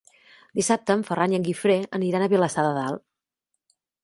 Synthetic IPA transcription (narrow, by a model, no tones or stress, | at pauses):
d̪̥isap̚t̪əːɱfərʔanjəŋɡifɾeəniɾanəβiələsaðəðalˠ